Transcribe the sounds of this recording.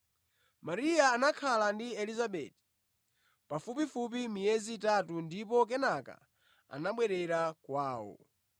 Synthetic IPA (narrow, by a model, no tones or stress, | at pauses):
maɾijaːnakʰalandiɛlizaɓɛti̥ | pafupifup̬imijɛzitatundipɔk̬ɛnaka̰ | a̰naɓwɛɾɛɾakwaːwɔ̰